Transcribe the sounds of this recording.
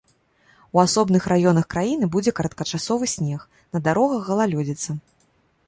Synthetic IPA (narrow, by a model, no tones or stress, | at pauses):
uasɔbnɨxɾajɔnɐxkɾajinɨbud͡zʲɛkɐɾɐt̪̚kɐt͡ʂasɔvɨsʲnʲɛx | nɐd̪aɾɔɣɐɣːɐlˠalʲɔd͡zʲɛt̪sɐ